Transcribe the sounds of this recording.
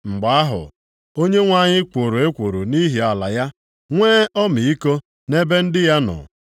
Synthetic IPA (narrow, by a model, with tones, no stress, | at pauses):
ŋ͡m̩˨ɡ͡ba˨a˦ɦʊ̰˨ | o˦ɲe˦ŋʷa˦˨ɲɪ˦kʷo˨ɾo˨e˦kʷo˨ɾo˨ni˦ɦi˨a˨la˨ja˦ | ŋʷeː˦ɔ˦mi˨i˦ko˦ | ne˦be˦n̩˦dɪ˦ja˦nɔ̰˨